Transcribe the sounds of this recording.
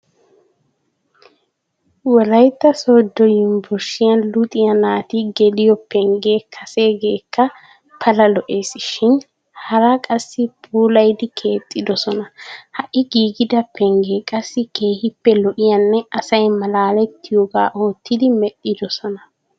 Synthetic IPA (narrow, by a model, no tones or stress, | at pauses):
wɔɾɐjt̪ːɐso̞ːd̪ːɔjɪmbɔɾʃɪjɐnlʊt̪ʼɪjɐnaːt̪iɡɛlɪjɔpːɛŋɡe̞ːkʰɐse̞ːɡe̞ːkːɐ | pʰɐlɐlɔʔe̞ːsɪʃɪn | hɐɾakʼɐsːɪpʰuːlɐjd̪ɪkʰe̞ːt̪ʼːɪd̪ɔsɔnɐhɐʔɪɡiːɡɪd̪ɐpɛŋɡe̞ːkʼɐsːɪkʰe̞ːhɪpːɛlɔʔɪjɐnːɛɐsɐjmɐlaːlɛt̪ːɪjoɡa̰ːʔo̞ːt̪ːɪd̪ɪmɛʔːɪd̪ɔsɔnɐ